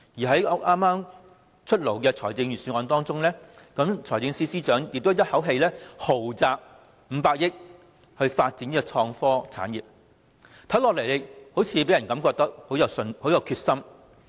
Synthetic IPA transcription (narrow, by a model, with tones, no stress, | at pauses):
jiː˨˩ɦɐ˨˥jɔ˨˥ʔaː˥maː˥m | t͡ʃʰɵ˥t̚lo˨˩wkɛː˧t͡sʰɔː˨˩jt͡sɪ˧ŋjyː˨˩syː˨˩ŋɔː˧nt̪ɔː˥ŋt͡sʊ˥ŋlɛː˥ | kɐ˨˥mt͡sʰɔː˨˩jt͡sɪ˧ŋsiː˥siː˥t͡ʃœː˨˥ŋjɪ˨k̚t̪ːjɐ˥t̚hɐ˨˥wɦe˧jlɛː˥ho˨˩wt͡saː˧k̚ | m̩ː˨˧paː˧k̚jɪ˥k̚ | hɵ˧ɥfaː˧t̚t͡si˨˥niː˥kɔ˧t͡sʰɔː˧ŋfɔː˥t͡sʰa̰ː˨˥njiː˨p̚ | t̪ʰɐ˨˥wlɔː˨k̚le˨˩jle˨˩ho˨˥wt͡sʰi˨˧˥pe˨˥jɐ˨˩nkɐ˨˥mkɔː˧k̚t̪ɐ˥k̚ho˨˥wjɐ˨˧wsnho˨˥wjɐ˨˧wkʰyː˧t̚sɐ˥m